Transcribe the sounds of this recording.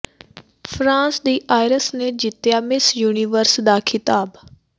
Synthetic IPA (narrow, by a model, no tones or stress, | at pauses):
pʰɾãːsd̪iːʔaːɪɾəsneːd͡ʒɪt̪ːjaːmɪsjuːniːʋəɾsd̪aːkʰɪt̪aːb